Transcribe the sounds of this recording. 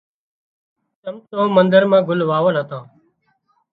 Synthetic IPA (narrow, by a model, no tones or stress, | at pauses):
t̪əmt̪õːmənd̪əɾmãːɡʊlʋaːʋənɦət̪ãː